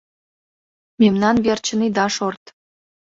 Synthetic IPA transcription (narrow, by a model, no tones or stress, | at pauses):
memnɑnβert͡ɕənid̪ɑʃort̪